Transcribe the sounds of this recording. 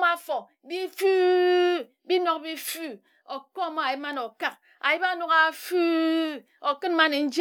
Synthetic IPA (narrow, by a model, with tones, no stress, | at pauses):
m˦a˦˨fo˨ | bi˦fu˦ | bi˦nɔ˦˨k̚bi˦fu˦ | o˨kɔ˦˨ma˦a˨ji˦p̚ma˦no˨ka˦k̚ | a˨ji˦ba˦no˨ka˨fu˦ | o˨kɨ˦nma˦ne˨n̩˦d͡ʒ